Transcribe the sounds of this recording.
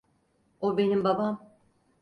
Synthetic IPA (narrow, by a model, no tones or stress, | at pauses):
obe̞nimbabam